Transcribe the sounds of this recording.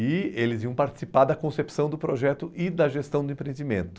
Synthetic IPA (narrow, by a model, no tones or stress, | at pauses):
ɪelɪzviɐ̃w̃paɾt͡ʃi̥sipaɾd̪ɐkõsepi̥sɐ̃w̃d̪ʊpɾoʒɛt̪ʊʔɪd̪ɐʒest̪ɐ̃w̃d̪ʊẽpɾẽnd͡ʒ̪imẽnt̪ʊ̥